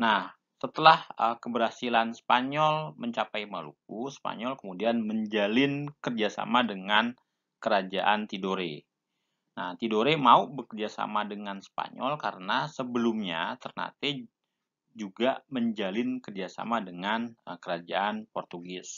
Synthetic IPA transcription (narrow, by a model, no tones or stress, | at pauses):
nah | sət̪əlahəkəbəɾasilanspaɲɔlməɲt͡ʃapajmalṵk̚usə̥pa̰ɲɔlkəmudianməɲd͡ʒalɪnkərd͡ʒasa̰madəŋan | kəɾad͡ʒa̰ʔant̪idoɾe | naht̪idoɾemaubəkərd͡ʒasa̰madəŋanspa̰ɲɔlkaɾənasəbəlumɲat̪ərna̰t̪i | d͡ʒuɡaməɲd͡ʒalɪnkərd͡ʒasa̰madəŋankəɾad͡ʒaʔanpɔrt̪uɡɪs